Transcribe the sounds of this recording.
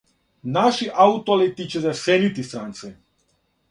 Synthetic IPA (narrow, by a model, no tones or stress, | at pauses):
naʃiʔaut̪olit̪it͡ɕezɛsenit̪ist̪ɾant̪sɛ